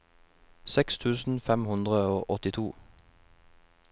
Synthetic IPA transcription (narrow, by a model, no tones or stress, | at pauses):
sɛkst̪ʰʉːsn̩fɛmhʉnd̪ʁəoːʔɔt̪ɪt̪ʰuː